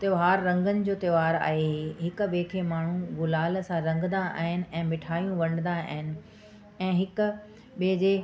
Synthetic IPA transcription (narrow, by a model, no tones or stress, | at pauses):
t̪ɐjoːɦaːɾːɐ̃ŋɡənɪ̆d͡ʑoːt̪eʋaːɾa̰ːɦeɦeɦɪk̆ɓeːkʰeːmaːɳ̤ũɡʊlaːlsãɾɐ̃ŋɡnd̪ãa̰ːɦɪnɪ̆ɛ̃ːmɪʈʰaːjũʋɐ̃ɽ̃ɪ̃nd̪ãa̰ːɦɪnɪ̆ | ɛ̃ːɦɪkʊ̆ | ɓeːd͡ʑeː